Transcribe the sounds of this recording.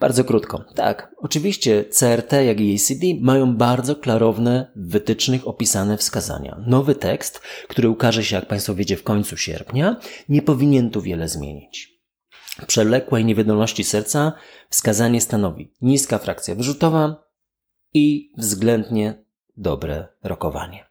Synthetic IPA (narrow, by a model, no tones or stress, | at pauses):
b̥a̰ɾd̪zɔkɾut̪kɔ̰t̪a̰kɔt͡ʂɘvʲiɕt͡ɕɛt̪sɛɛɾt̪ɛjaɡiɛjsʲid̪ʲimajɔ̃w̃baɾd̪zɔklaɾɔvnɛːɘt̪ɘt͡ʂnɘxɔpʲisanɛfskaza̰ɲa̰nɔvɘt̪ɛkst̪kt̪uɾɘukaʐɛɕɛjak̚paj̃st̪fɔvʲed͡ʑɛfkɔɲt̪suɕɛ̰ɾpʲɲaɲɛpɔvʲiɲɛnt̪uvʲjɛlɛzmʲjḛɲit͡ɕ | fpʂɛlɛkwɛjɲɛvʲɛd̪ɔlnɔɕt͡ɕisɛɾt̪sa | fskazaɲɛst̪anɔvʲḭɲiskafɾak̚t̪sʲjavʐut̪ɔva | ivzɡlɛnd̪ɲɛ | d̪ɔbɾɛ̰ɾɔkɔva̰ɲɛ